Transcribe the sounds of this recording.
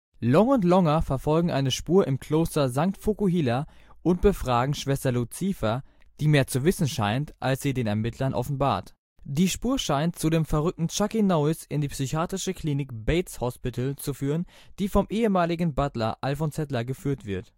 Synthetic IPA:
lɔŋʊntlɔŋɐfɛɐfɔlɡŋ̩ʔa̰ɪnəʃpuːɐʔɪmkʰl̥oːstɐzaŋk̚tfokuɦiːlɐʔʊntb̥əfʁ̥aːɡŋ̩ʃv̥ɛstɐlut͡sifɐd̥iːmeːɐt͡suvɪsn̩ʃaɪntʔalsz̥iːdeːnɛɐmɪtʰlɐnʔɔ̰fn̩ba̰ːɐt | d̥iːʃpuːɐʃaɪntt͡sudeːmfɛɐʁʏk̚tn̩t͡ʃakinoʊɪsɪndiːpsyçaːtʁɪʃəkʰl̥iːnɪk̚b̥eɪtshɔspitl̩t͡sufyːʁ̞ən | d̥iːfɔmʔeːəmaːlɪɡŋ̩batlɐ̰ʔalfɔnsɛtlɐɡəfyːɐtv̥ɪɐt

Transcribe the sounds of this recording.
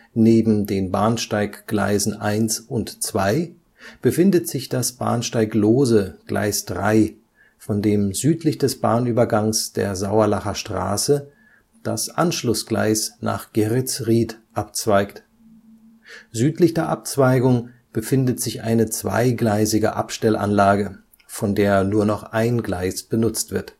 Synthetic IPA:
neːbm̩deːnbaːnʃtaɪkɡ̥la̰ɪzn̩ʔaɪnsʊntt͡sv̥aɪ | b̥əfɪndətz̥ɪçd̥asb̥a̰ːnʃtaɪkloːzəɡ̥lʔa̰ɪsd̥ʁa̰ɪ | fɔndeːmzyːtʰlɪçd̥ɛsb̥aːnyːbɐɡaŋsd̥ḛːɐzaʊɐlaχɐʃtʁ̥a̰ːsə | d̥asʔanʃlʊsɡ̥la̰ɪsna̰ːχɡ̥eʁɪt͡sʁiːtʔap̚t͡sv̥aɪkt | zyːtlɪçd̥eːɐʔap̚t͡sv̥aɪɡʊŋ | b̥əfɪndətz̥ɪçʔa̰ɪnət͡sv̥a̰ɪɡlaɪzɪɡə̰ʔa̰pʃtɛlʔa̰nlaːɡə | fɔndeːɐnuːɐnɔχʔaɪnɡlaɪsb̥ənʊt͡stv̥ɪɐt

